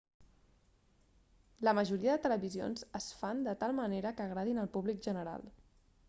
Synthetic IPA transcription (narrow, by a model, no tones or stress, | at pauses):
ləməʒuɾiəðət̪ələβizio̰nzəsfand̪ət̪alˠməneɾəkəːɣɾaðinəlˠpuβlikʒənəɾa̰lˠ